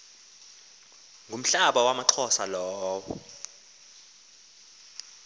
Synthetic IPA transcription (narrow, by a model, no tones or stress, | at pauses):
ŋɡʱum̩ɬaɓawamaǃʰɔsalɔːwɔ̰